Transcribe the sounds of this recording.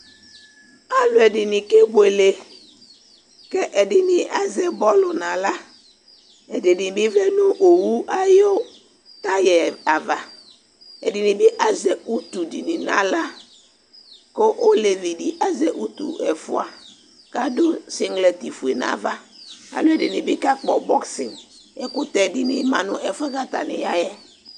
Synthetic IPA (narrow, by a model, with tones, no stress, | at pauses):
a˨lʊ˨ɛ˨dɪ˨nɪ̃˨ke˦bʊ˨e˨le˨ | kɛ˦ʔɛ˨dɪ˨nɪ̃˨ʔa˦zɛ˦bɔ˦lʊ˨nã˨la˦ | ɛ˨dɪ˨dɪ˨bɪ˦vɛ˦nũ˦ʔo˨wu˦ʔa˦jo˦ | t̪a˦jɛ˨a˨va˨ | ɛ̰˨dɪ˨nɪ̃˨bɪ˦ʔa˦zɛ˨u˦t̪u˨di˨nĩ˨nã̰˨la˦ | ko˦ʔo˦le˨vi˨di˨ʔa˦zɛ˨ʔu˦t̪ṵ˨ʔɛ˨fʊ˦a˨ | ka˦dʊ˦sɪ˦ŋɡlɛ˨t̪i˨fu˨e˨nã̰˨va˦a̰˨lo˦ɛ˨dɪ˨nɪ̃˨bɪ˦ka˦k͡pɔ˨bɔ˦ksɪ˨nɛ˦kʊ˦t̪ɛ˨dɪ˨nɪ̰˨mã˨nʊ̃˨ʔɛ˨fʊ˦ɛ˦ka˦t̪a̰˨nɪ̰˨ja˦jɛ˦